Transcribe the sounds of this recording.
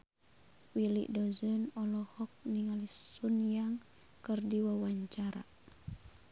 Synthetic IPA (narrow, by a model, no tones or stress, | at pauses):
wilḭʔdɔzɔnɔlɔhɔk̚niŋalisunjaŋ | kərdiwawaɲt͡ʃaɾa̰